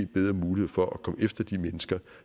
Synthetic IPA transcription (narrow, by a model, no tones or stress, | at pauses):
d̥̚b̥eð̞ˠʁɐmuːlihe̝ð̰ˠfɒ̽ʔækʰɒ̽mefd̥ɐd̥imenəsɡ̥ɐ